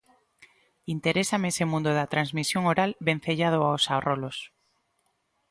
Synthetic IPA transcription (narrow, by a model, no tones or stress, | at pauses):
int̪eɾesamesemũnd̪oðat̪ɾanzmisjoŋoɾalβen̟θeʎað̞oaosarolos